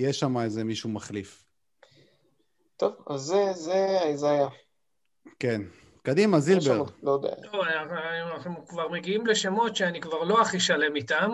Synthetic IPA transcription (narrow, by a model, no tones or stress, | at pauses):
jeʃamaezemiʃumaχlif | t̪o̞va̰zːezeaezaja | ke̞n | kod̪imazilbeʁlod̪ḛa̰oanaaaχnuukvaʁme̞ɡiimleʃe̞mo̞tʃeanikvaʁlo̞aχiʃale̞mit̪am